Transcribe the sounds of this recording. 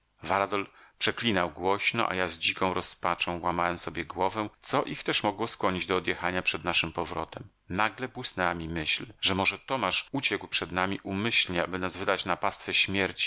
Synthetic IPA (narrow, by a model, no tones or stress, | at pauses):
vaɾad̪ɔlpʂɛklʲinawɡwɔɕnɔ̰ʔa̰jazd͡ʑikɔ̃w̃ɾɔspat͡ʂɔ̃w̃wamawɛmsɔbʲjɛɡwɔvɛw̃t̪sɔʔixt̪ɛʂmɔɡwɔskwɔɲid͡ʑd̪ɔːd̪jɛxaɲapʂɛd̪naʂɘmpɔvɾɔt̪ɛm | naɡlɛbwɘsnɛwamʲimɘɕlʐɛmɔʐɛt̪ɔmaʂut͡ɕɛkwpʂɛd̪namʲiʔumɘɕlɲɛabɘnazvɘd̪at͡ɕnapast̪fɛɕmʲjɛɾt͡ɕi̥